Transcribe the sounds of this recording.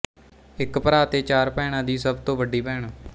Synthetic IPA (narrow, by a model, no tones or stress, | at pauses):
ɪkpəɾaːt̪eːt͡ʃaːɾpɛːɽ̃ãːd̪iːsəbt̪õːʋəɖiːpɛːɳ